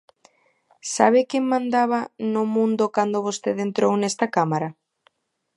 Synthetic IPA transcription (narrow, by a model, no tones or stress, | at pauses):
saβ̞ɪkemːãnd̪aβ̞anʊmũnd̪ʊkand̪ʊβost̪eðent̪ɾownɛst̪akamaɾa